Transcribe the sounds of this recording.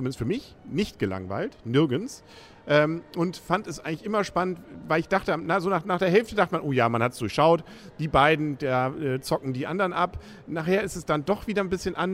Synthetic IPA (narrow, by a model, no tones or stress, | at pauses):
ʊmɪndəstfyːɐmɪç | nɪçtɡ̥əla̰ŋva̰ɪltnɪɐɡəns | ʔɛːmʔʊntfantɛsʔaɪɡŋlɪçʔɪmɐʃpanəntvaɪlɪçd̥aχtənɐzoːnaːχnaːχd̥eːɐɦɛlftədaχtəmanʔoːjaːmanhatsd̥ʊɐçʃaʊt | d̥iːbaɪdn̩d̥aːʔɛːt͡sɔkŋ̩diːʔa̰ndəʁənʔap | naːχheːɐɪstɛsd̥andɔχv̥iːdɐnbɪsçənʔan